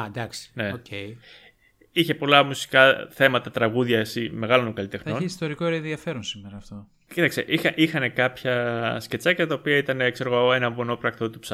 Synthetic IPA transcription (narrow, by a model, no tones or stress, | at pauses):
d̪ɐksi̥ne̞oe | içe̞po̞lɐmusi̥kɐθe̞mɐt̪ɐt̪ɾɐɣuðʝɐsime̞ɣɐlo̞noŋkɐlit̪e̞xno̞niist̪o̞ɾikoɾeẽnðiɐfe̞ɾonsimeɾɐːft̪o̞ | cit̪ɐkseʔixɐʔixɐne̞kɐpçɐsce̞t͡sɐcɐɐt̪ɐopiɐit̪ɐnekseɾɣoe̞nɐbono̞pɾɐk̚t̪ot̪ups